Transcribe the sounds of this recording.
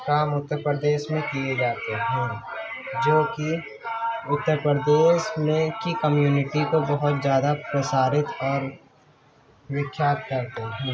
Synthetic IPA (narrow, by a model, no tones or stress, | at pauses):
kaːmʊt̪ːəɾpəɾəd̪eːʃmẽkijed͡ʒaːt̪eɦɛ̃ | d͡ʒoːki | ʊt̪ːəɾpɾəɾəd̪eːʃmẽkikəmjuːnɪʈikobɐɦʊt̪zjaːd̪apɾɐsaːɾɪt̪ɔːɾ | wɪkʰːjaːt̪̚kɐɾt̪eɦɛ̃